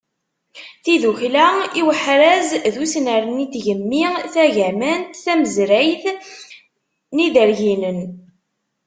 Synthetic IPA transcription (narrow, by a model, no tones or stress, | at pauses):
θiðuçlæiwəħɾæzðusnəɾənit̪ʝəmːiθæʝæmænt̪θæməzɾæjθ | niðəɾʝinən